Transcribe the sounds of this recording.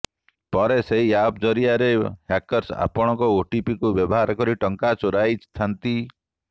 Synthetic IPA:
pɔɾeseɦiab̚d͡ʒɔɾijaɾehakɔɾsa̰pɔɽ̃ɔkɔoʈipikubjɔbɔɦaɾɔkɔɾiʈɔŋkat͡ʃɔɾajst̪ʰant̪i

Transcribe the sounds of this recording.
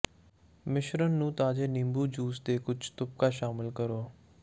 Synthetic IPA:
mɪʃɾənːũːt̪aːd͡ʒeːnɪmbuːd͡ʒuːsd̪eːkʊd͡ʒt̪ʊp̚kaːʃaːmɪlkəɾoː

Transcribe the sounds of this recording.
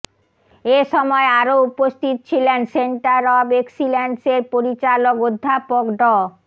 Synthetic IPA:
eʃɔmɔeaɾoupost̪ʰit̪ot͡ɕʰilenseɳʈaɾɔbeksilenseɾpoɾit͡ɕalokod̪ʱːapokɖɔ

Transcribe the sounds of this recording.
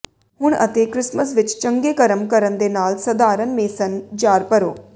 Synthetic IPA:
ɦʊɳ̃ɐ̰t̪ekɾɪsməs̬ʋɪt͡ʃt͡ʃə̃ŋɡeːkɐɾəmkɐɾənd̪eːnaːlsɐd̪aːɾənmeːsənd͡ʒaːɾpəɾo̰ː

